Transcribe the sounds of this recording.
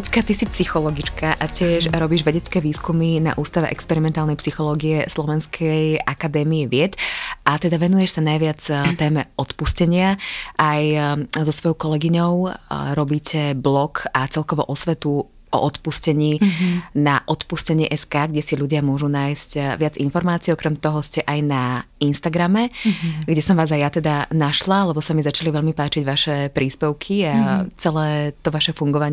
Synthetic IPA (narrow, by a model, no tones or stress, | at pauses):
t̪kat̪isipsixɔlɔɡit͡ʃkʰaʔacɪɛʃɾɔbiːʒʋɛɟɛt͡skɛːʋiːskumina̰ʔuːst̪aʋɛ̰ʔɛkspɛɾimɛnt̪aːlnɛjpsixɔlɔːɡiɛslɔʋɛnskʰɛjʔakad̪ɛːmiɛʋɪɛt̪ʔat̪ɛd̪aʋɛnujɛʃsanajʋɪat͡st̪ɛːmɛɔt̪puscɛɲɪaʔajzɔsʋɔjɔʊkɔlɛɡiɲɔʊɾɔbiːcʰɛblɔkat͡sɛlkɔʋɔ̰ʔɔsʋɛt̪u | ʔɔ̰ʔɔt̪puscɛɲiːnaʔɔt̪puscɛɲɪɛʔɛskaːɡɟɛsiʎuɟɪamʊɔʒunaːjzcʋad͡zinfɔɾmaːt͡siːɔkɾɛmt̪ɔɦɔscɛʔajnainst̪aɡɾamɛɡɟɛsɔmʋaːzajjat̪ɛd̪anaʃlalɛbɔsamizat͡ʃaliʋɛʎmipaːt͡ʃiɟʋaʃɛpɾiːspɛʊkʰiat͡sɛlɛːt̪ɔʋaʃɛfuŋɡɔʋaɲ